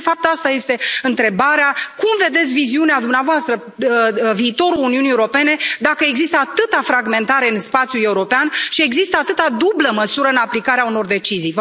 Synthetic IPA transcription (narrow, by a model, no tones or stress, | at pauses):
fap̚t̪ast̪aje̞st̪e̞ɨnt̪ɾe̞baɾeakumve̞d̪e̞t̪sʲviziunead̪umneavoast̪ɾə | viːt̪o̞ɾuluniuniewuɾope̞ne̞d̪akəe̞ɡzist̪əat̪ɨt̪afɾaɡme̞nt̪aɾe̞ɨnspat̪sijule̞uɾo̞peanʃie̞ɡzist̪əat̪ɨt̪ad̪ubləməsuɾəɨnaplikaɾeauno̞rd̪e̞t͡ʃizijv